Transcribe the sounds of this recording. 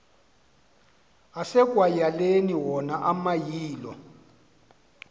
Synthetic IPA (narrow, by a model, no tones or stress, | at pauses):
asɛk̬ʼwajaleniwɔnaʔamajiːlɔ̰